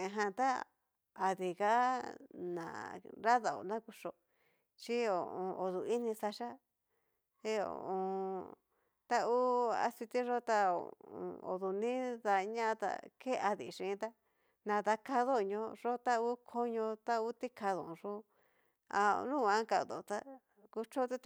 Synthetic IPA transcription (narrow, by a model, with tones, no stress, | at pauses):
ẽ˧ɦã˧t̪a˦ | a˧ði˨ɣa˦nã̰˨ɾa˦ða˧o̰˨nã˦ku˧ʂo˧ | t͡ʃi˦o˨õ˨˧o˨ðu˨i˦nĩ˧sa˧ʃa˦ | e˦o̰˨õ˧ | t̪a˦u˦a̰˧si˧t̪i˦ʐo˦t̪a˧o̰˨õ̰˧o̰˨ðu˨nĩ˦ða˧ɲã˦˧t̪a̰˧ke˦a˧ðḭ˨˧ʂĩ˧t̪a˦ | nã˨ða˧ka˧ðo˦˨˧ɲõ˧ʐo˦t̪a˦u˦kʰo˦ɲõ˧t̪a˦u˦t̪i˦kʰa˧ðõ˨˧ʐo˦ | a˧nũ˦˨˧ã˧˦ka˧ðo˨t̪a˦˧ | ku˧t͡ʃo˦t̪i˦